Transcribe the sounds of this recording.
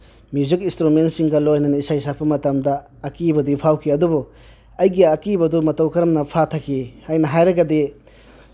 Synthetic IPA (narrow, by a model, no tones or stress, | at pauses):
mizukinstɾumentsiŋɡɐlojnɐnɐisajsak̚pɐmɐtɐmdɐː | kibɐdipʰawkʰiɐdubu | ɐjɡiɐkibɐdumɐtɐwkʰɐɾɐmnɐpʰatʰɐkʰːihajnɐɦajɾɐɡɐdi